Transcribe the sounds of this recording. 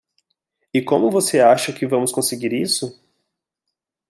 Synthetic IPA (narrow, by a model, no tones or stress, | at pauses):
ɪkõmʊvoseaʃɐkɪvɐ̃mʊskõseɡiɾisʊ